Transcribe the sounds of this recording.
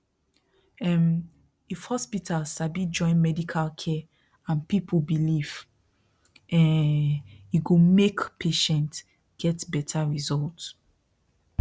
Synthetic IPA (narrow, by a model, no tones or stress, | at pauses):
ɛm | ifhɔspitʰalsabid͡ʒɔ̃ɪ̃nmɛdikʰalkʰɛ | ãnpipʰubiliv | ɛ̃ | jiɡomekpʰeʃɛ̃nt | ɡ̥ɛtbɛtʰaɹizɔlt